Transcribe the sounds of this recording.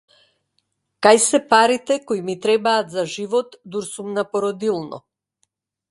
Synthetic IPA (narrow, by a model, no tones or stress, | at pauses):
kajsɛpaɾit̪ɛkojmit̪ɾɛbaːt̪zaʒivɔt̪d̪uɾsumnapɔɾɔd̪ilˠnɔ̰